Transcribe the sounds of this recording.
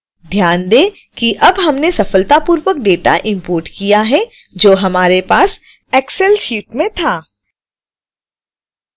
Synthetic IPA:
d̪ʱjaːnd̪eː | kiʔɐbɦɐmnesɐfəlt̪apuːɾwək̚ɖeːʈa̰ʔɪ̃mpoːɾʈkijaɦɛ | d͡ʒoːɦɐmaːɾepaːs | ɛːksɛlsuːʈmẽt̪ʰaː

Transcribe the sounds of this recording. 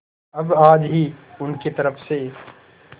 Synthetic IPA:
ɐbaːd͡ʒɦiʊnket̪ɐɾəfse

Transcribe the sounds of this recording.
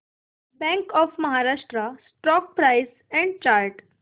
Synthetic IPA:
bɛ̃ŋkɔfməɦaɾaʂʈɾasʈɾɔk̚pɾajs | ɛ̃ɳɖ̚t͡ɕaɾʈ

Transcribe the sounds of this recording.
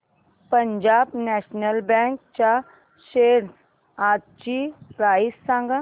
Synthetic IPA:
pɐɲd͡ʒaːbnɛːʃnəlbɛ̃ːŋk̚t͡ʃa | ʃeːɾs | aːd̪̚t͡ʃiɾaːisãŋɡa

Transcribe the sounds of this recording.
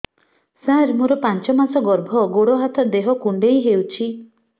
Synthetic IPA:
sãɾmuɾɔpant͡ʃɔmasɔɡɔɾbʱɔɡoɽɔɦat̪ʰɔd̪eɦɔkuɳɖejɦewt͡ʃʰi

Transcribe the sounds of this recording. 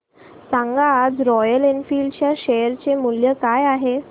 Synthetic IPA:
sãŋɡaːd͡zɾɔjəlenfiːlɖt͡ɕjaɕejəɾt͡ɕemuljəkajaɦe

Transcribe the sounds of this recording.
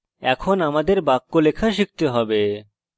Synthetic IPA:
ɛkʰonamad̪eɾbakːolekʰaʃik̚t̪eɦɔbe

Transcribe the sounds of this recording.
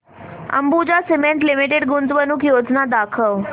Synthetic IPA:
ə̰mbud͡ʒasimẽɳʈlimiʈeɖɡunt̪ʋənukʰjod͡ʒnad̪akʰəʋ

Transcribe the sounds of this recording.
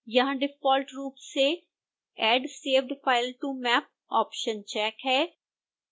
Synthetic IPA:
jaãɖɪfɔːlʈɾuːpseː | ɛːɖseːʋɖpaːɪlʈuːmɛːp̚ | ɔːpʃənt͡ʃɛːkɦɛː

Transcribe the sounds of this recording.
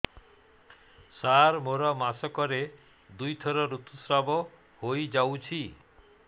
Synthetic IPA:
saɾmoɾɔmasɔkɔɾe | d̪ujt̪ʰɔɾɔɾut̪usɾabɔ | hojd͡ʒawt͡ʃʰi

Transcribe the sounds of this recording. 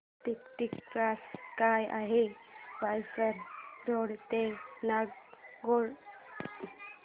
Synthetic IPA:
t̪ikt̪ikːɾaskajʔa̰ɦe | ʋajsəɾɾoɽt̪enaɡɡoɽ

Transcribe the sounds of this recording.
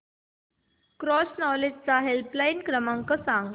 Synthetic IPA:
kɾɔsnɔled͡ʑt͡saɦelplajinkɾəmaŋkəsãŋɡ

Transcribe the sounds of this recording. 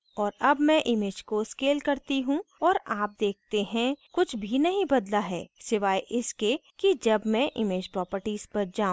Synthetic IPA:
ɔːɾɐbmɛ̃ʔɪmed͡ʒkoskeːlkɐɾt̪iɦũɔːɾaːp̚d̪eːk̚ʰt̪eɦɛ̃kʊt͡ʃʰbʱinɐɦĩbɐd̪laɦɛ̰ːsɪʋaːjʔɪskekid͡ʒɐbmɛ̃ʔɪ̰meːd͡ʒpɾɔːpəɾʈiːz̥pɐɾd͡ʒãː

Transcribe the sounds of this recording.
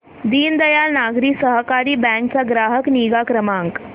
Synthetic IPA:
d̪iːnd̪əjalnaɡɾiːsəɦəkaɾiːbɛ̃ŋkt͡saɡɾaɦəkniɡakɾəmaŋk

